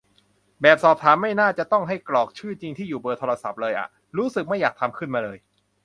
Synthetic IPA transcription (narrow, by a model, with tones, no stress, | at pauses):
bɛː˨˩p̚sɔː˨˩p̚t̪ʰaː˩˦mːa˥˩jnaː˥˩t͡ɕa˨˩ʔt̪ɔ˥˩ŋɦa˥˩jklɔː˨˩k̚t͡ɕʰɯː˥˩t͡ɕi˧ŋt̪ʰiː˥˩juː˨˩bɤː˧t̪ʰoː˧la˧sa̰˨˩p̚lɤː˧jʔa̰˨˩ | ɾuː˦˥sɯ˨˩k̚ma˥˩jːaː˨˩k̚t̪ʰa˧mkʰɯ˥˩nmaː˧lɤː˧j